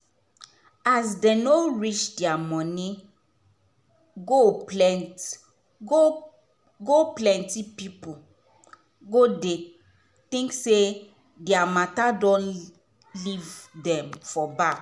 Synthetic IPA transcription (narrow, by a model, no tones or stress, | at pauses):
asdenoɹit͡ʃdɛamɔ̃ni | ɡoɛ | ɡoplɛ̃ntipipu | ɡode | tĩŋkse | dɛamatadɔ̃n | livdɛ̃mfɔbak